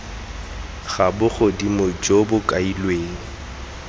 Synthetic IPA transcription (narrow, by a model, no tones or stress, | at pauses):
ɣabʊχʊdimʊd͡ʒobʊkʼailweːŋ̩